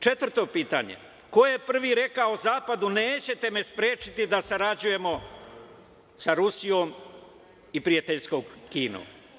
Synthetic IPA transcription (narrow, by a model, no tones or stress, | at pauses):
t͡ʃe̞t̪ʋr̩t̪o̞piːt̪a̰ɲḛ | ko̞je̞pr̩ʋiɾe̞kaozaːpad̪uneːt͡ɕe̞t̪e̞me̞spɾeːt͡ʃit̪id̪asaɾad͡ʑuje̞mo̞ | saɾusijo̞ːm | ipɾijat̪eʎsko̞ːɡkiːnṵ